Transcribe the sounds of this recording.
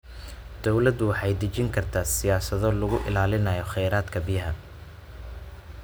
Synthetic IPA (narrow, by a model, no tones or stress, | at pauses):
d̪̥ɔwlɐd̪ʊwɑħɑjd̪ɐt͡ʃɪŋkʰɐrt̪ʰaːsɪjaːsɐðɔlʊɣʊʔɪ̰laːlɪnɐjɔχɛjɾaːd̪kʰɐbɪjɐɦɐ